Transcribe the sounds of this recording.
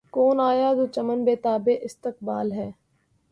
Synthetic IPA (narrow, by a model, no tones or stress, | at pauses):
koːnaːjaːd̪oːt͡ʃɐmənbeːt̪aːbeʔɪst̪ɪk̚baːlɦɛː